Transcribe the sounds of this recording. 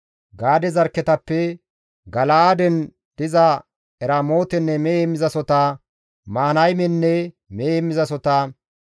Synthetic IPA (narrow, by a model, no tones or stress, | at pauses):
ɡaːd̪ɛzɐɾkːɛt̪ɐpːɛ | ɡɐlaad̪ɛn | d̪̥ɪzɐ | ɛɾaːmo̞ːt̪ɛnːɛmeemɪzɐsɔt̪ɐ | maːnɐjmɛnːɛ | meːmːɪzɐsɔt̪ɐ